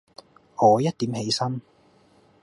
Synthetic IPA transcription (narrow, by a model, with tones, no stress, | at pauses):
ɔː˨˧jɐ˥t̚t̪iː˨˥mhe˨˥jsɐ˥n